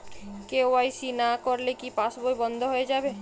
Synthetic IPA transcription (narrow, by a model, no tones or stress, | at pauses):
keoaisinakɔɾlekipasbojbɔ̃nd̪ʱoɦoed͡ʒaːbe